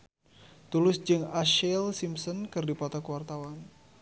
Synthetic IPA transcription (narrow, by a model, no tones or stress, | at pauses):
t̪ulʊsd͡ʒɨŋaʃɛlsimsɔnkɨrdipɔt̪akuwart̪awan